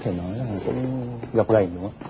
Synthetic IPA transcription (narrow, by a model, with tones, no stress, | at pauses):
t̪ʰe˧˩nɔ˨˦jlaː˨˩˨kʊ̰˧˥ŋ͡mɣa˨˩p̚ɣa˨˩jnɨ̰˧˥ə